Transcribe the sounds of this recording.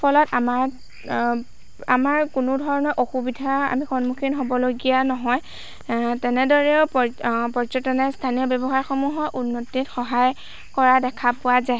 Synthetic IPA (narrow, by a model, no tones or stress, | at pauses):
pʰɔlɔtamaɹ | a̰maɹkunʊdʱɔɹɔnɔɹʔoxubidʱaa̰mixɔnmukʰinɦobɔloɡijanɔɦɔj | tɛnɛdɔɹɛʊppɔɹt͡ʃɔtɔnɛstʰaniɔbɛbɔxaɹxɔmuɦɔjʔunːɔtːitxɔɦaj | kɔɹadɛkʰapʊwazaj